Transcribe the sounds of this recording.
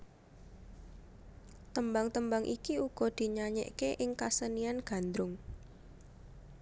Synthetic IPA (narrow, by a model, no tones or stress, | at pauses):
t̪əmbaŋt̪əmbaŋʔikiuɡ̥ɔ̤d̪̥i̤ɲaɲɛ̰ʔkeʔɪŋkasənianɡ̥a̤nd̪ɾʊŋ